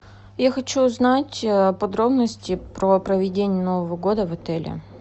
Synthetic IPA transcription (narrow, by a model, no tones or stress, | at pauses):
jaxɐt͡ɕuʊznatʲəpɐd̪ɾo̞bnəsʲtʲɪpɾopɾəvʲɪdʲenʲɪjəno̞vəvəɡo̞d̪əvɐt̪ɛlʲɪ̰